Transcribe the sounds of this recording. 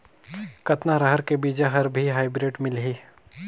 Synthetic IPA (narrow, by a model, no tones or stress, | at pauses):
kɐt̪naɾəɦəɾkebiːd͡ʒaɦɐɾbʱiɦaːɪbɾɪʈmɪlɦiː